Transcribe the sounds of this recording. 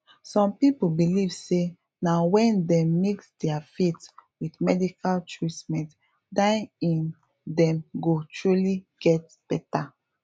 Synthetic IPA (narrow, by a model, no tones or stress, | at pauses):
sɔ̃mpipubilivse | nawɛ̃ndɛ̃mːeksdɛafetwidmɛdikʰaltʰɹitmɛ̃nt | dãɪ̃ĩn | dɛ̃mɡotʰɹuliɡ̥ɛt | b̥ɛta